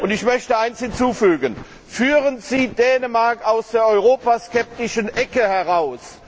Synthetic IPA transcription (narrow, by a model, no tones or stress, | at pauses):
ʔʊntɪçmœçtəaɪnshɪnt͡suːfyːɡən | fyːʁənz̥iːdɛːnəmaɐkaʊsd̥eːɐɔʏʁoːpaskɛp̚tɪʃənʔɛkəhɛʁaʊs